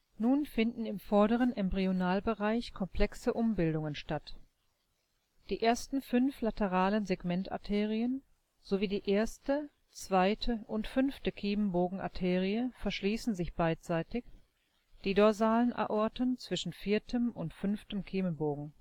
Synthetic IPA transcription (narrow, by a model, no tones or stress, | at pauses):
nuːnfɪndn̩ɪmfɔɐɾəʁ̞ənʔɛmbʁionaːlbəʁaɪçkʰɔmpl̥ɛksəʔʊmbɪldʊŋənʃtat | d̥iːʔeːɐstn̩fʏnflatəʁaːlənzeɡmɛnta̰ɐtʰeːʁ̞iən | z̥oviːdiːʔeːɐstə | t͡sv̥aɪtʰəʔʊntfʏnftəkʰiːmənboːɡŋ̩ʔa̰tʰeːʁiəfɛɐʃliːsn̩zɪçb̥aɪtz̥aɪtɪç | d̥iːdɔɐzaːlənʔa̰ʔɔɐtənt͡sv̥ɪʃn̩fiːɐtʰəmʊntfʏnftəmkʰiːmənboːɡŋ̩